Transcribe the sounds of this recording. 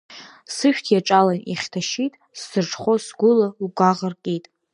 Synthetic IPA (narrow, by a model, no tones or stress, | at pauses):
sɨʃᶣtʰjaʈ͡ʂʼalanḭχʲtʰaʃitʼ | sːɨrʈ͡ʂʰʼχʷosɡʷʊlauɡʷaʁərkʲʼijtʼ